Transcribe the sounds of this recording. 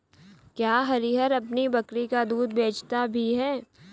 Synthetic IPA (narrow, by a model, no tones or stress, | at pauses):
kjaːɦɐɾiɦəɾɐpnibɐkɾikad̪uːd̪̚beːt͡ʃt̪abʱiɦɛː